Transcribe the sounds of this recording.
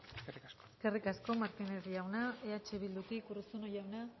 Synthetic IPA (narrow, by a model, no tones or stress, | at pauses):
seriasoeske̞rikasko̞maɾkineɾiawnaeat͡ʃeβild̪ukikurusuno̞jawna